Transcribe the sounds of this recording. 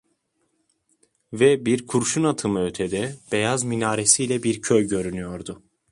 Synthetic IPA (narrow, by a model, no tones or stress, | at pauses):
vɛbiɾkʰuɾʃunat̪ʰɯmɯøt̪ʰɛd̪ɛb̥ejazminaːɾesijlʲɛbiɾcʰøjɟø̞ɾynyjo̞ɾd̪ʊ